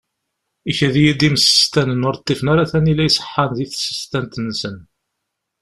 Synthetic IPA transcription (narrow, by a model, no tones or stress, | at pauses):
içæðijid̪imsə̥st̪ænənʊɾt̪ˤːifənaɾaθænilæjsˤə̥ħːɑnðiθsːə̥st̪ænt̪ənːsən